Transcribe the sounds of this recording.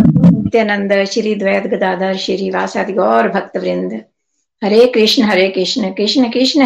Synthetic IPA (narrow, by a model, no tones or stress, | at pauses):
ukt̪jɐːnɐnd̪ɐʃiɾiːd̪ʋɐjad̪ɡʱɐd̪aːd̪ʱaːɾʃiɾiːʋaːsaːd̪iɡoːɾbʱɐk̚t̪ɐʋɾind̪ɐ | hɐɾeːkɾiʂɳɐɦɐɾeːkɾɪʂɳɐkɾɪʂnɐkɾiʂɳɐ